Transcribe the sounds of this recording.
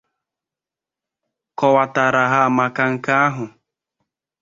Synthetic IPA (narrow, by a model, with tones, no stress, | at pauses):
kɔ˨wa˨ta˨ɾa˨ɦa˦a˨ma˨ka˦ŋ̩˨ka˦a˦ɦʊ˨